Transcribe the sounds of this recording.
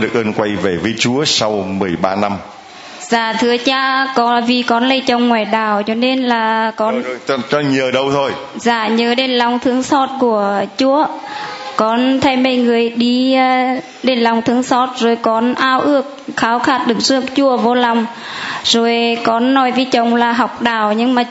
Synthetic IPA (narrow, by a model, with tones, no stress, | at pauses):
ɗɨ˨˩ək̚ʔəː˧nkwa˧jve˧˩vəː˨˦jt͡ɕu˨˦əsa˧wmɨ˨˩əjɓaː˧na˧m | z̥aː˨˩t̪ʰɨ˨˦ət͡ɕaː˧kɔ˨˦vi˨˩kɔ˨˦nlə˧˩t͡ɕə˨˧˩wŋ͡mŋwaː˧˩jɗaː˨˩wt͡ɕɔ˨˧˦ne˧nlaː˨˩kɔ˨˦n˧t͡ɕɔ˧˦ɲəː˨˩ɗə˧wt̪ʰo˧j | zaː˧˩ɲəː˨˦ɗe˧nla˨˩wŋ͡mt̪ʰɨ˨˦əŋsɔ˧˥t̚ku˧˩ət͡ɕu˧˦əkɔ˨˦nt̪ʰa˧˩jmə˧˩jŋɨ˨˩əjɗi˧˩˧ | ɗe˧˩nla˨˩wŋ͡mt̪ʰɨ˨˦əŋsɔ˧˥t̚zo˨˩jkɔ˨˦nʔaː˧˩wʔɨ˧˩ək̚xaː˨˦wxaː˧˩t̚ɗɨ˨˧˩ək̚zɨ˧˥ək̚t͡ɕu˧˩əvo˧la˨˩wŋ͡m | zo˨˩jkɔ˨˦nːɔ˨˦jvi˨˦t͡ɕə˨˩wŋ͡mlaː˨˩ɦa˨˩wk͡p̚ɗaː˧˩wɲɨ˧ŋmaː˨˩